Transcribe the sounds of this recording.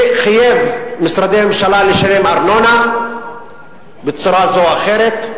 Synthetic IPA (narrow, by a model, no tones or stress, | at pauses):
χajevmisɾad̪ememʃalaleʃalemaɾnona | bet͡suɾazoaxeɾet̪